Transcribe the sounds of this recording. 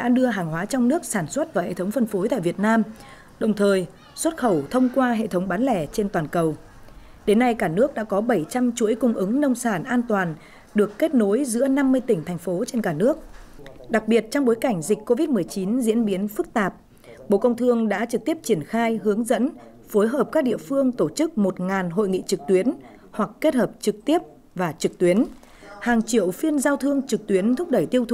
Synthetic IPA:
ɗa̰ː˧˥ɗɨ˧əɦaː˨˩ŋɦwaː˨˦t͡ɕɔ˧wŋ͡mnɨ˦˥ək̚saː˧˩nswə˦˥t̚vaː˨˩hḛ˧˩˨t̪ʰə˨˦wŋ͡mfə˧nfo˨˦jt̪a̰ː˧˨jvi˨˩ət̚naː˧m | ɗə˨˩wŋ͡mt̪ʰəː˨˩j | swə˦˥t̚xə˧˩wt̪ʰə˧wŋ͡mkwaː˧ɦḛ˧˨t̪ʰə˨˦wŋ͡mɓaː˨˦nlɛ˧˩t͡ɕe˧nt̪waː˨˩nkə˨˩w | ɗe˨˦nːa˧jkaː˧˩nɨ˦˥ək̚ɗa̰ː˧˥kɔ˨˦ɓə˧˩jt͡ɕa˧mt͡ɕu˧˥əjkʊ˧ŋ͡mʔɨ˨˦ŋnə˧wŋ͡msaː˧˩nʔaː˧nt̪waː˨˩n | ɗɨ˨˩əkːe˦˥t̚no˨˦jzɨ̰˧˥əna˧mːɨ˧əjt̪ï˧˩ŋ̟t̪ʰɛ˨˩jŋ̟fo˨˦t͡ɕe˧nkaː˧˩nɨ˦˥ək̚ɗa˨˩k̚ɓi˨˩ət̚t͡ɕɔ˧wŋ͡mɓo˨˦jka˧˩jŋ̟zi˨˩k̟ko˧vi˦˥t̚mɨ˨˩əjt͡ɕi˨˦nzḭ˧˥ənɓi˨˦ənfɨ˦˥k̚t̪aː˨˩p̚ | ɓo̰˧˨kə˧wŋ͡mt̪ʰɨ˧əŋɗa̰ː˧˥t͡ɕɨ˨˩k̚t̪i˦˥əp̚t͡ɕi˧˩ənxaː˧jhɨ˨˦əŋzə̰˧˥n | fo˨˦jɦəː˨˩p̚kaː˦˥k̚ɗḭ˧˨əfɨ˧əŋt̪o˧˩t͡ɕɨ˦˥k̚mo˨˩t̚ŋaː˨˩nɦo̰˧˨jŋḭ˧˨t͡ɕɨ˨˩k̚t̪wi˨˦ən | hwa˨˩kkːe˦˥t̚həː˨˩p̚t͡ɕɨ˨˩k̚t̪i˦˥əp̚ | vaː˨˩t͡ɕɨ˨˩k̚t̪wi˨˦ən | haː˨˩ŋt͡ɕi˧˩əwfi˧ənzaː˧wt̪ʰɨ˧əŋt͡ɕɨ˨˩k̚t̪wi˨˦ənt̪ʰʊ˦˥k͡p̚ɗə˧˩jt̪i˧əwt̪ʰ

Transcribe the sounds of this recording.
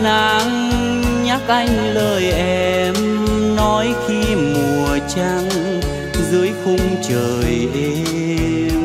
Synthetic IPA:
na˨˦ŋ | ɲa˦˥k̚ʔa˧jŋ̟ləː˧˩jʔɛ˧˩mnɔ˨˦jxi˧mu˨˩˨ət͡ɕa˧ŋ | zɨ˨˦əjxʊ˧ŋ͡mt͡ɕəː˨˩jʔe˧

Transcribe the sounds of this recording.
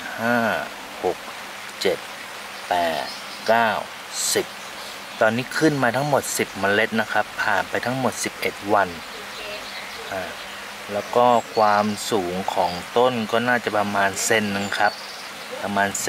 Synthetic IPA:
haː˥˩ | ho˨˩k̚ | t͡ɕe˨˩t̪̚ | pɛː˨˩t̪̚ | kaː˥˩w | si˨˩p̚ | t̪ɔː˧nːiː˦˥˩kʰɯ˥˩˨nmaː˧t̪ʰa˦˥ŋmo˨˩t̪̚si˨˩p̚ma˧nle˦˥t̪̚na˦˥kʰa˦˥pʰːaː˨˩npa˧jt̪ʰa˦˥ŋmo˨˩t̪̚si˨˩p̚ʔe˨˩t̪̚wa˧n | a˧˩ | lɛː˦˥wkɔː˥˩kʰwaː˧msuː˨˩˦ŋkʰɔː˩˦ŋt̪o˥˨nkɔː˥˩naː˥˩t͡ɕa˨˩pa˧maː˧nse˥˩nːɯ˨ŋkʰa˦˥p̚ʰː | a˧maː˧ns

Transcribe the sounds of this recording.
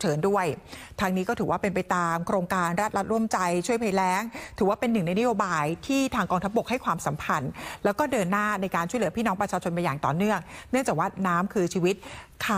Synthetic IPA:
t͡ɕʰɤː˩˦ndu˥˩əjt̪ʰaː˧ŋniː˦˥kɔː˥˩t̪ʰːwaː˥˩pe˧npa˧jt̪aː˧mkʰɾoː˧ŋkaː˧nɾa˦˥t̪̚ɾa˦˥t̪̚ɾu˥˩əmt͡ɕa˧jt͡ɕʰu˥˩əjpʰa˨˧˩jlɛː˦˥ŋt̪ʰɯː˩˦waː˥˩pe˧nːɯ˨˩ŋna˧jna˦˥joː˧baː˧jt̪ʰiː˥˩t̪ʰaː˧ŋkɔː˧ŋt̪ʰa˦˥p̚bo˨˩k̚ha˥˩jkʰwaː˧msa˨˩˦mpʰa˧nlɛː˦˥wkɔː˥˩dɤː˧nːaː˥˩na˧jkaː˧nt͡ɕʰu˥˩lɯ˩˦piː˥˩nɔː˦˥ŋpɾa˧t͡ɕʰaː˧t͡ɕʰo˧nma˧jaː˨˩ŋt̪ɔ̰ː˨˩nɯ˥˩əŋnɯ˥˩əŋt͡ɕaː˨˩k̚waː˥˩naː˦˥mkʰɯː˧t͡ɕʰiː˧wi˦˥t̪̚kʰa˧˩

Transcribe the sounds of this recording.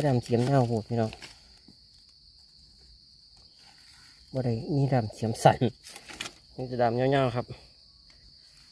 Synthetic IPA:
ɔ˧˦ɾaː˧˩˨msʰi˨˦mɲaː˧˩˨wbuː˧˨˩k̚i˧nɔ˧˩ | bɔː˧ɾa˧˩jmiː˧˥˨daː˧˩msʰi˨˦əmsa˨˦n | ma˧˦˨ta˧˩daː˧˩mɲaː˧˨ɲaː˧˨wkʰa˧p̚

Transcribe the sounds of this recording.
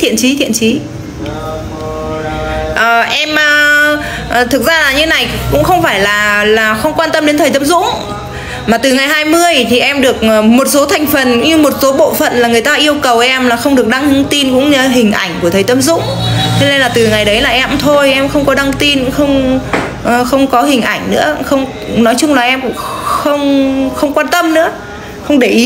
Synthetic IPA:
t̪ʰḭ˧˨ənt͡ɕi˨˦t̪ʰḭ˧˨ənt͡ɕi˨˦ | ʔəː˨˩ʔɛ˧mʔəː˨˩ | ʔt̪ʰɨ˨˩k̚zaː˧laː˨˩ɲɨ˧˦na˨˩jkʊ̰˧˥ŋ͡mxə˧wŋ͡mfaː˧˩jlaː˨˩laː˨˩xə˧wŋ͡mkwaː˧nt̪ə˧mɗe˨˦t̪ʰə˨˩t̪ə˧mzʊ̰˧˥ŋ͡m | maː˨˩t̪ɨ˨˩ŋa˨˩jɦaː˧jmɨ˧əjt̪ʰi˨˩ʔɛ˧mɗɨ˨˩ək̚ːmo˨˩t̚so˨˦t̪ʰa˨˩jŋ̟fə˨˩n˧ɲɨ˧mo˨˩t̚so˨˦ɓo̰˧˨fə̰˧˨nlaː˨˩ŋɨ˨˩əjt̪aː˧ʔi˧əwkə˨˩wʔɛ˧mlaː˨˩xə˧wŋ͡mɗɨ˨˩ək̚ɗa˧ŋɨ˧˥t̪i˧nkʊ̰˧˥ŋ͡mɲə˧ɦï˨˩ŋ̟ʔa˧˩jŋ̟ku˧˩ət̪ʰəː˨˩t̪ə˧˦mzʊ̰˧˥ŋ͡mt̪ʰe˧˦ne˧nlaː˨˩t̪ɨ˨˩ŋa˨˩jɗə˨˦jlaː˨˩ʔɛ˧mt̪ʰo˧jʔɛ˧mxə˧wŋ͡mkɔ˨˦ɗa˧ŋt̪i˧nxə˧wŋ͡m | ʔxə˧wŋ͡mkɔ˨˦ɦï˨˩ŋ̟ʔa˧˩jŋ̟nɨ̰˧˥əxə˧wŋ͡m | nɔ˨˦jt͡ɕʊ˧ŋ͡mlaː˨˩ʔɛ˧mkʊ̰˧˥ŋ͡mxə˧wŋ͡mxə˧wŋ͡mkwaː˧nt̪ə˧mnɨ̰˧˥ə | xə˧wŋ͡mɗe˧˩ʔi˨˦

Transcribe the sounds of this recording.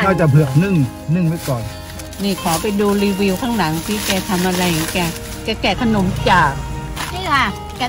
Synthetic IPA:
nɔː˥˩t͡ɕa˨˩pʰɯ˨˩ək̚nɯ˥˩ŋ | nɯ˧˥˩ŋmaː˦˥˩jkɔː˨˩n | niː˧˩kʰɔː˩˦pa˧jduː˧ɾiː˧wiː˧wkʰaː˥˩ŋla˩˦ŋt̪ʰiː˥˩kɛː˧˩t̪ʰa˧mʔa˧ɾa˧jha˨˦kɛː˧˩ | kɛː˧˩kɛː˨˩t̪ʰa˧no˨˩˦mt͡ɕaː˨˩k̚ | ni˧˥˨kʰa˧˥˩ | kɛ˧

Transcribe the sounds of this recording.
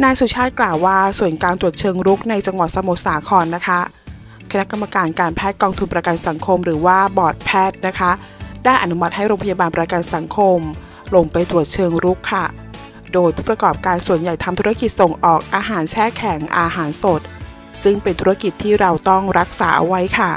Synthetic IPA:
naː˧ŋsu˨˩t͡ɕʰaː˥˩t̪̚klaː˨˩wːaː˥˩su˨˩ənkaː˧nt̪ɾu˨˩ə˩t̪̚t͡ɕʰɤː˧ŋɾu˦˥k̚na˧jt͡ɕa˧ŋwa˨˩t̪̚sa˧mo˨˩t̪̚saː˩˦kʰɔː˧nːa˦˥kʰa˦˥ | kʰa˧na˦˥ka˧mːa˧kaː˧nkaː˧npʰɛː˥˩t̪̚kɔː˧ŋt̪ʰu˧npɾa˧ka˧nsa˩˦ŋkʰo˧mɾɯː˩˦waː˥˩bɔː˨˩t̪̚pʰɛː˥˩t̪̚na˦˥kʰa˦˥ʔ | daː˥˩jʔa˨˩nu˦˥ma˧˥t̪̚ha˥˩jɾoː˧ŋpʰa˧jaː˧baː˧npɾa˧ka˧nsa˩˦ŋkʰo˧m | lo˧ŋpa˧jt̪ɾu˨˩ət̪̚t͡ɕʰɤː˧ŋɾu˦˥kʰːa˥˩ | doː˧jpʰuː˥˩pɾa˧kɔː˨˩p̚kaː˧nsu˨˩ənja˨˩jt̪ʰa˧mt̪ʰu˦˥a˥ki˨˩t̪̚so˨˩ŋʔɔː˨˩k̚ʔaː˧ɦaː˩˦nt͡ɕʰɛː˥˩kʰɛ˩˦ŋʔaː˧ɦaː˩˦nso˨˩t̪̚ | sɯ˥˩ŋpe˧nt̪ʰu˦˥ɾa˦˥ki˨˩t̪ʰːiː˥˩ɾa˧wt̪ɔ˥˩ŋɾa˦˥k̚saː˩˦ʔa̰˧wa˦˥jkʰa˥˩

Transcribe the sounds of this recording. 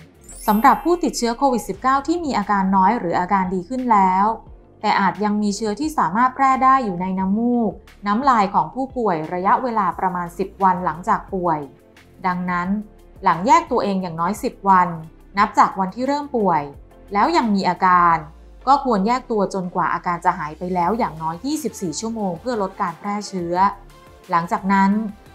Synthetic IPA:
sa˩˦mɾa˨˩pʰːuː˥˩t̪i˨˩t̪̚t͡ɕʰɯ˦˥ɐkʰoː˧wi˨˩t̪̚si˨˩p̚kaː˥˩wt̪ʰiː˥˩miː˧ʔaː˧kaː˧nːɔː˦˥jɾɯː˩˦ʔaː˧kaː˧ndiː˧kʰɯ˥˩nlɛː˦˥w | t̪ɛː˨˩ʔaː˨˩t̪̚ja˧ŋmiː˧t͡ɕʰɯ˦˥ɐt̪ʰiː˥˩saː˩˦maː˥˩t̪̚pʰɾɛː˥˩daː˥˩jːuː˨˩na˧jna˦˥mːuː˥˩k̚ | naː˦˥mlaː˧jkʰɔː˩˦ŋpʰuː˥˩pu˨˩əjɾa˧ja˦˥ʔweː˧laː˧pɾa˧maː˧nsi˨˩p̚wa˧nla˩˦ŋt͡ɕaː˨˩k̚pu˨˩əj | da˧ŋna˦˥n | la˩˦ŋjɛː˥˩k̚t̪u˧ɐʔeː˧ŋjaː˨˩ŋnɔː˦˥jsi˨˩p̚wa˧nː | a˦˥p̚t͡ɕaː˨˩k̚wa˧nt̪ʰiː˥˩ɾɤː˥˩mpu˨˩əj | lɛː˦˥wja˧ŋmiː˧ʔaː˧kaː˧n | kɔː˥˩kʰu˧ənjɛː˥˩k̚t̪u˧ɐt͡ɕo˧nkwaː˨˩ʔaː˧kaː˧nt͡ɕa˨˩ɦaː˩˦jpa˧jlɛː˦˥wjaː˨˩ŋnɔː˦˥jːiː˥˩si˨˩p̚siː˨˩t͡ɕʰu˥˩əmoː˧ŋpʰɯ˥˩ɐlo˦˥t̪̚kaː˧npʰɾɛː˥˩t͡ɕʰɯ˦˥ɐ | la˩˦ŋt͡ɕaː˨˩k̚na˦˥n

